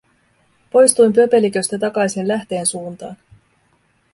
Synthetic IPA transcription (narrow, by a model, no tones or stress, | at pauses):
po̞jst̪ujmpøpe̞likø̞st̪æt̪̬ɑkɑjsinlæht̪e̞ːnsuːnt̪ɑːn